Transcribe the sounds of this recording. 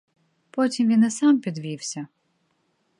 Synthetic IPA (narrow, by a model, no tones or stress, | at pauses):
pɔtʲimʋʲinɛsɑmpʲid̪ʋʲiwsʲɐ